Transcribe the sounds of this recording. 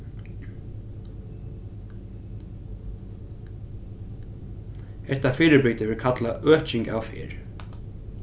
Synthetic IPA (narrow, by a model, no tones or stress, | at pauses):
ɛt̪afɪːɾɪpɪt̪ɪʋɪɾkʰat̪laʔœːht͡ʃɪŋka̰wfɪ̰ːɹ